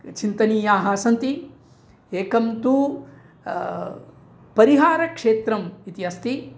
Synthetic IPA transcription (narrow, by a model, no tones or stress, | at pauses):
t͡ʃint̪ɐniːjaːɦaːsɐnt̪i | eːkɐmt̪u | pɐɾiɦaːɾɐkʂeːt̪ɾɐmit̪iɐst̪i